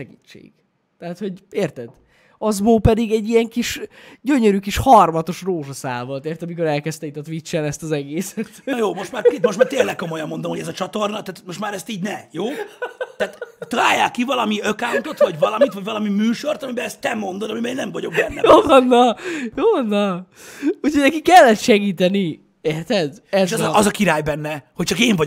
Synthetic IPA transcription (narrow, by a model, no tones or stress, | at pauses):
ʃɛɡḭt͡ʃːḛːɡ̥ | t̪ɛɦat̪ho̞ɟeːrt̪ɛd̪ | ɒzboːpɛd̪iɡɛɟːijɛŋkiʃɟøɲøɾykiʃhɒrmɒt̪o̞ʃroːʒɒsa̰ːlvo̞lt̪eːrt̪ɒmiko̞ɾɛlkɛst̪ɛit̪ɒt̪ʋit͡ʃːɛnɛst̪ɒzɛɡeːsɛt̪joːmo̞ʃt̪maːemoʃt̪maːrt̪eːlːɛk̚kːo̞mo̞jɒmːo̞nd̪omhoɟɛzɒt͡ʃɒt̪o̞rnɒt̪aːt̪mo̞ʃt̪maːɾɛst̪iːɟnɛjoːt̪aːt̪t̪ɒlaːjːaːkːivɒlɒmiøkaːŋk̪ot̪vɒɟvɒlɒmit̪vɒɟvɒlɒmimyːʃo̞rt̪ɒmibɛlɛst̪ːɛmo̞nd̪od̪ɒmimeːnɛɱvɒɟo̞ɡ̚bɛnːɛjoːvɒnːɒjoːvɒnːɒ | ucʰhoɟnɛkikːɛlːɛt̪ʃɛɡiːt̪ɛni | eːrt̪ɛd̪ɛzʃɒzɒkiɾaːjbɛnːɛhoct͡ʃɒkeːɱvɒ